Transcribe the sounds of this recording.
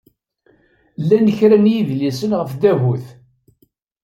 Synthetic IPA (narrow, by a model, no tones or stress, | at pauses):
lːænəçɾænjiðlisənʁəfðæɦuθ